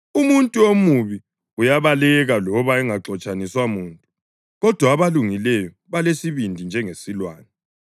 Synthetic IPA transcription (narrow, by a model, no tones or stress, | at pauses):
umuntʼuomuβi | ujaβalɛɣalɔβaɛŋaǁɔt͡ʃʼaniswamuːntʼu | ɣɔd̥ʱwaːβaluŋilɛjɔ | βalesiβindʱind͡ʒʱɛŋesilwaːnɛ